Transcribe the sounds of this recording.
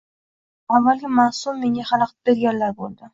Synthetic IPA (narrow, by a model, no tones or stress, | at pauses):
amalɡʲɪmasʊmːe̞ŋʲahalɑqʰɑt̪̚be̞ɾɡʲanlaɾbolˠd̪ɪ